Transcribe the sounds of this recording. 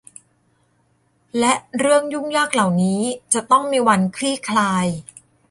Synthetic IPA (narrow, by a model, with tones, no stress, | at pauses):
lɛ˦˥ʔɾɯ˥˩əŋju˥˩ŋjaː˥˩k̚la˨˩wniː˦˥t͡ɕa˨˩t̪ɔ˥˩ŋmiː˧wa˧nkʰɾiː˥˩kʰlaː˧j